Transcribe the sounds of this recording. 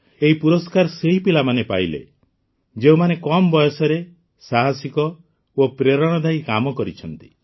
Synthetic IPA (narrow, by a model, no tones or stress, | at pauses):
eɦipuɾɔskaɾɔseɦipilamanepa̰ilḛ | d͡ʒeumanekɔmbɔjɔsɔɾe | saɦasikɔ | opɾeɾɔɽ̃ɔd̪ʱaikamɔkɔɾit͡ʃʰɔnt̪i̥